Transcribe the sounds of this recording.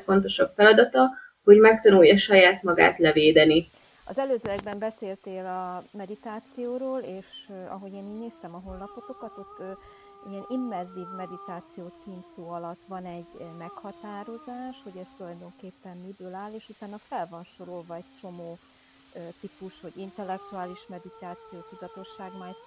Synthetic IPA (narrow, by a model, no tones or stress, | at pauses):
fo̞nt̪̬o̞ʃɒbfɛlɒd̪ɒt̪ɒ | ho̞ɟmɛkt̪ɒnujːɒʃɒjaːt̪mɒɡa̰ːt̪lɛveːd̪ɛni | ɒ̰zɛløːzølɛɡ̚bɛmbɛseːlt̪eːlɒmɛd̪it̪aːt̪sijoːɾoːleːʃɒ̰ɦo̞eːniːɟneːst̪ɛmɒɦo̞lːɒpo̞ko̞kɒt̪o̞t̪ː | ijɛnimːɛrziːvmɛd̪it̪aːt̪sijoːt̪siːmsoːɒlɒt̪ːʋɒnɛɟmɛkhɒt̪aːɾo̞zaːʃho̞ɟɛst̪ulɒjd̪o̞ŋkeːpːɛmmibøːlaːleːʃut̪aːnːɒfɛlvɒnʃo̞ɾo̞lvɒɛc̚t͡ʃo̞moː | t̪ipuʃho̞ɟint̪ɛlːɛk̚t̪uaːliʃmɛd̪it̪aːt̪sijoːkut̪ɒt̪o̞ʃːaːɡmaːj